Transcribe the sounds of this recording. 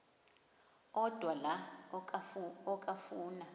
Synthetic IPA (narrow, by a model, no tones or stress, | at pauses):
ɔd̥ʱwala | ɔkʼafuːna